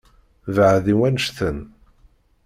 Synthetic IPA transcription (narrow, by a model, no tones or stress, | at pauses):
vəʕðiwænəʃθən